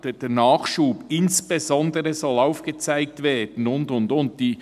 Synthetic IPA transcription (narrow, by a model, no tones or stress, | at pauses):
d̥əd̥ɛːnɑːχʃuːbɪnsb̥ezɔndəɾəzɔlaʊfɡ̥ət͡saɪk̚tvɛːd̥n̩ʊndʊndʊnt̚d̥iː